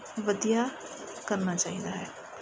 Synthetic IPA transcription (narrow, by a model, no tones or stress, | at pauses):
ʋəd̪ija | kəɾnat͡ʃaːɦid̪aɦɛː